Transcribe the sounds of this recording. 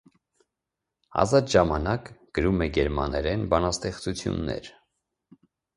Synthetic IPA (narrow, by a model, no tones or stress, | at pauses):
ɑ̰zɑt̪ʒɑmɑnɑkɡ̥əɾumɛɡɛɾmɑ̰nɛɾɛnbɑnɑst̪ɛχt͡sut͡sʰjṵnːɛ̰ɾ